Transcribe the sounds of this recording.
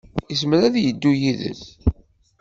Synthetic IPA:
əs̬məɾæðjəd̪ːujiðə̰s

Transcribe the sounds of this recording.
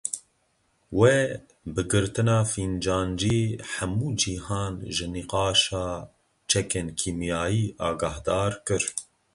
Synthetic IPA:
we | bɨɡɨɾt̪ɨnɑːfiːnd͡ʒɑːnd͡ʒiːħamuːd͡ʒihɑːnʒɨniqɑːʃɑː | t͡ʃʰɛkeːnkʰiːmjɑːjiːʔɑːɡɑːhd̪ɑːɾkɨɾ

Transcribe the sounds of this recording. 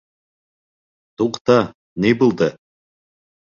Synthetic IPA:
t̪uqt̪ɑ | nibulˠd̪ə

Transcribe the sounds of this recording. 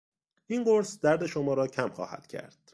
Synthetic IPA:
ʔinɢoɾsd̪æɾd̪e̞ʃomɒːɾɒːcʰæmxɒ̰ːhæ̰d̪̥cʰæ̰ɾd̪̥

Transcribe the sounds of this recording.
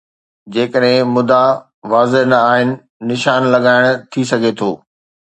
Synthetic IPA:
d͡ʑeːkəɗɦɪ̃mʊd̪a | ʋaːzɪɦnɐaːɦɪnɪ̆ː | ɪʃaːnlɐɠaːɪɽ̃ʊ̆t̪ʰis̬ɐɡʱet̪ʰoː

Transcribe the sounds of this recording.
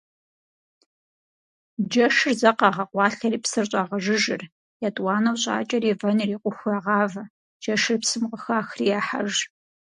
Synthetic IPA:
d͡ʒɐʂɨrzɐqɑːʁɐqʷɑːɬɐriːpsɨrɕʼɑːʁɐʒɪʒɪr | jatʼwɑːnɐwɕʼa̰ːt͡ʃʼɐriːvɐnriːqʷʊxʷjaːʁɑːvɐ | d͡ʒɐʃɨrpsɨmqəxaːxrijaːħa̰ʒ

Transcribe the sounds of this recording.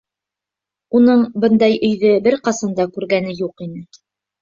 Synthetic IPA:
unɤɴbɤnd̪ɑjʔɵ̆jðɘbɘɾqɑsɑnd̪ɑkʉɾɡænɘjuqinɘ

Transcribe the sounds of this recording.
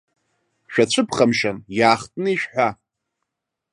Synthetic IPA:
ʃᶣat͡ɕʷʰɨpʰχamʃanjaːχtʼnɨiʃᶣħʷᶣa

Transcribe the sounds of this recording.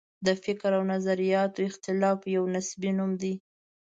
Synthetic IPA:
d̪əfɪkɾawnazaɾijɑt̪oɪxt̪ɪlɑfjawnasbinumd̪i

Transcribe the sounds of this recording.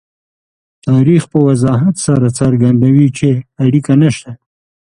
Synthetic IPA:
t̪ɑɾixpəwazɑɦat̪saɾat͡saɾɡand̪awit͡ʃeaɽikanaʃt̪a

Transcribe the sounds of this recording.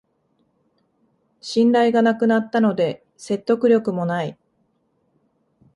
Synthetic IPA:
ɕĩnɾaiɡanakɯ̟nat̪ːano̞d̪e̞ | se̞t̪ːo̞kɯ̟ɾʲjo̞kɯ̟mo̞nai

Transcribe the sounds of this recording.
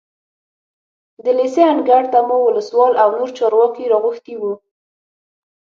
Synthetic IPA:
d̪əleseanɡaɽt̪amowʊləswɑlawnoɾt͡ʃɑɾwɑkeɾɑɣʊxt̪iwu

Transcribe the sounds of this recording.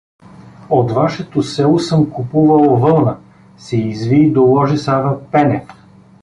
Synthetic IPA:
ot̪vaʃɛt̪osɛlˠosɤmkupuvɐlˠvɤlˠnə | sɛizvid̪olˠɔʒisavəpɛnɛf

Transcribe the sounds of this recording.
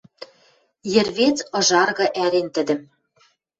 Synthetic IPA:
jɘ̆rβet͡sɤ̆ʒɑrɣɤ̆ʔæɾent̪ɘ̆d̪ɘ̆m

